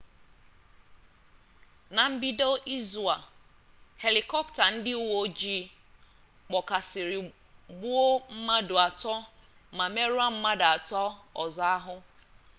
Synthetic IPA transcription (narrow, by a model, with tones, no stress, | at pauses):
na˨m̩˦bi˦do˦ʔi˦zu˨a˨ | he˨li˨kɔ˦pta˨n̩˦dɪ˦u˦wo˦d͡ʒi˦ | k͡pɔ˨ka˨sɪ˨ɾɪ˨ | bu˦o˦m̩˦ma˦dʊ˨a˨tɔ˦ | ma˨me˦ɾu˦a˦m̩˦ma˦da˨a˨tɔ˦ɔ̰˨za˨˦a˦ɦʊ˦